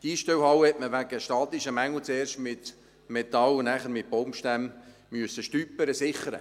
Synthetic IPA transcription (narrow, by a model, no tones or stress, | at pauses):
d̥iːʃtɛwhɑwəhɛtməʋæɡəʃtɑːt̪iʃəmæŋl̩t͡seːrʃtmɪt̪ | met̪ɑlʊnæːχəɾmɪt̚b̥ɔmʃtæm | myəsːəʃtyːpːəɾəsɪχəɾə̰